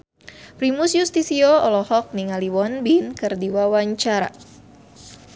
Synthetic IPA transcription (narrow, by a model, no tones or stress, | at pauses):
pɾimusjust̪isioɔlɔhɔk̚niŋaliwɔnbinkɨrdiwawaɲt͡ʃaɾa̰